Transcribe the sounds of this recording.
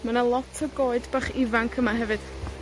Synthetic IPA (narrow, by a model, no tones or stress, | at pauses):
manalˠɔtʰəɡoːɨdbaχɪvaŋkʰəmaɦɛvɨd̥